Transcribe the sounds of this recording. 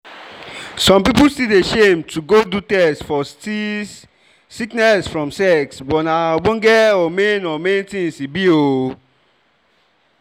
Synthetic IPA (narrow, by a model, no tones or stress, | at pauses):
sɔ̃mpipulstideʃẽmtʰuɡodutɛsfɔsi | siknɛsfɹɔ̃msɛksbɔnabõnɡɛɔmenɔmenitĩnsibio